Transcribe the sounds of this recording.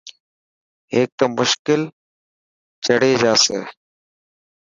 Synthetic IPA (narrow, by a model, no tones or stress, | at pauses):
ɦeːk̚t̪əmʊʃkɪl | t͡ʃəɽeːd͡ʒaːseː